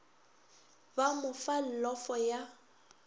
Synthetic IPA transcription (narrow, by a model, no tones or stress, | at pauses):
bamʊfal̩lɔfɔja